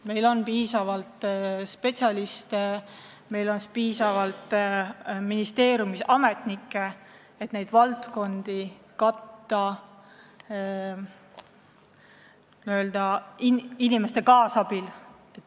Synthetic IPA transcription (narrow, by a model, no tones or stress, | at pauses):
me̞jlo̞npiːsɑvɑlt̪ˑspe̞t̪sʲɑlist̪e | me̞jlo̞nspiːsɑvɑlt̪ˑ | minist̪e̞ːɾjumisɑme̞t̪ˑnikːˑe | et̪nejd̪̥vɑlt̪ko̞nd̪̥i | kɑt̪ːɑ | nøːld̪̥ɑiinimest̪e̞kɑːsɑbil | et̪